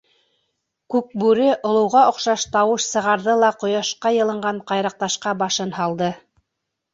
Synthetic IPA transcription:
kʉk̚bʉɾɘʔŏlˠɤ̆wʁɑŏqʃɑʃt̪ɑwɤʃsɤ̆ʁɑɾðɤlˠɑqŏjɑʃqɑjɤ̆lˠɤ̆ɴɢɑɴqɑjɾɑq̚t̪ɑʃqɑbɑʃɤnhɑlˠd̪ɤ

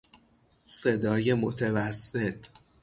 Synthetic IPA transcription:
se̞d̪ɒːje̞mot̪ʰevæsːe̞t̪ʰ

